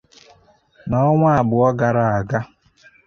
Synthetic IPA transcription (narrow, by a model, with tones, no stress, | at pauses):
na˦ɔ˦ŋʷa˦a˨bʊ˨ɔ˦ɡa˨ɾa˨a˨ɡa˦